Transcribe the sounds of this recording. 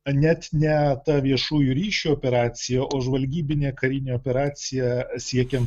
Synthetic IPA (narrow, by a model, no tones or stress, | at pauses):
nʲɛt̪nʲɛt̪ɐʋʲiɛʃuːjuɾʲiːʃʲuoːpʲɛɾɑːt̪sʲɪjɛʔoːʒʋɐlʲɡʲiːbʲɪnʲeːkɐɾʲɪnʲeːoːpʲɛɾɑːt̪sʲɪjɛsʲiɛkʲɛnt̪